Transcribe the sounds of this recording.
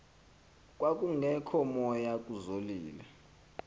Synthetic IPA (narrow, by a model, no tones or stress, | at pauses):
k̬ʼwak̬ʼuŋɛkʰɔmɔjakʼuzoliːlɛ